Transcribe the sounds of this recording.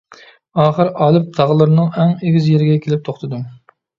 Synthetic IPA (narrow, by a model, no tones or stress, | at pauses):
ɑːχəɾɑlˠɨp̚t̪ʰɑʁəlˠɨɾɨnɨŋæŋeɡʲizjeɾɪɡʲɛkʲʰelɪp̚t̪ʰoχt̪ʰɨd̪um